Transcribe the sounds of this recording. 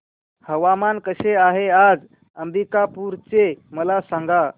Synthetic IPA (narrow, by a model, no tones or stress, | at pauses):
həʋamankəɕeaɦead͡z | əmɾikapuːɾt͡seməlasãŋɡa